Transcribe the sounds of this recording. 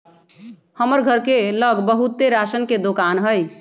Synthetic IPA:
həməɾɡʱəɾkeləɡbəɦut̪ːeɾasənked̪okanɦəj

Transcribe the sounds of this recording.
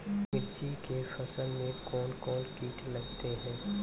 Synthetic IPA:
mɪɾt͡ʃikefɐsəlmẽkɔːnkɔːnkiːt̪ʰlɐɡt̪eɦɛ̃ː

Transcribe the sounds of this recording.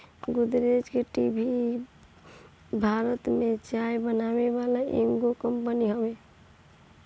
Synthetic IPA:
ɡud̪ɾed͡ʒkəʈibʱi | bʱaɾət̪met͡ʃajbənaweβalaʔeŋɡokəmpəniɦəbe

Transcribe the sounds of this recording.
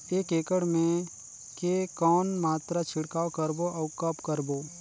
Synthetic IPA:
eːkeːkəɽmẽ | kekɔːnmaːt̪ɾat͡ʃʰɪɽkaːokəɾboʔɔːkəpkəɾboː

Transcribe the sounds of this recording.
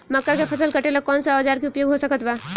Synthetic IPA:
məkːəɾkepʰəsəlkəʈelakɔnsəːd͡ʒaɾkeupjoɡɦosəkət̪ba

